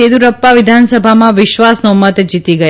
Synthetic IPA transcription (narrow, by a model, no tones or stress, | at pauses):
ed̪uɾəpːaʋɪd̪ʱansəbʱamãʋɪʃʋasnomət̪d͡ʒit̪iɡə